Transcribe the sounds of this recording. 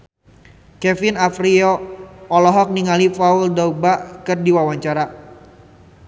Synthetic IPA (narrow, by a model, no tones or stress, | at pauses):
kɛfɪnafriɔʔːlɔɦɔk̚niŋalifauldaubaʔkɨrdiwawaɲt͡ʃaɾa